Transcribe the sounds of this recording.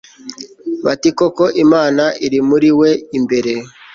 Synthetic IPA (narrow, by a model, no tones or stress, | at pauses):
βatikoko̞ʔimaːnaiɾimuɾiwe̞imbe̞ɾe̞